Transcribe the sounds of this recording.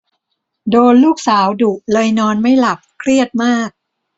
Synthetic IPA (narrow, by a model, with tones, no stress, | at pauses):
doː˧nluː˥˩k̚saː˩˦wdu˨˩ʔ̚lɤː˧jnɔː˧nma˥˩jla˨˩p̚kʰɾi˥˩ət̪̚maː˥˩k̚